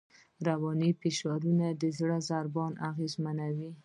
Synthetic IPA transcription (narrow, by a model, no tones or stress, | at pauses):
ɾawɑnipeʃɑɾunad̪əzɽəzaɾbɑnaɣezmanawi